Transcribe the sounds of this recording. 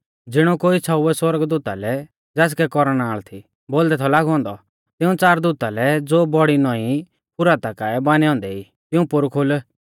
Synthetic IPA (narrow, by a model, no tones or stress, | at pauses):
d͡zɪɽ̃ɔkoːisʰaʊɛswɔɾəɡd̪uːt̪alɛ | d͡zɛːs̬kɛkɔɾɽ̃aːɭt̪ʰi | boːld̪ɛt̪ʰɔlaːɡɦɔ̃ːnd̪ɔ | t̪ɪũt͡saːɾd̪uːt̪alɛd͡zoːbɔɽinɔ̃i | pʊɾat̪akaːɛbaːniɔ̃ːnd̪ɛi | t̪ɪũpʊɾkʰol